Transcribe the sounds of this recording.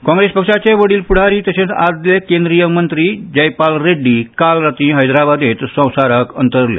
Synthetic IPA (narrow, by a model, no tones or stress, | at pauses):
kɔ̃ŋɡɾespəkʂat͡ɕeʋəɽiːlpuɽ̤aɾiːt̪əɕẽt͡sa̰d̪lekẽnd̪ɾijəmənt̪ɾiːd͡ʑəjpalɾeɖːiːkalɾat̪ĩɦəjd̪ɾabad̪et̪sə̃w̃saɾəkə̰nt̪əɾlḛ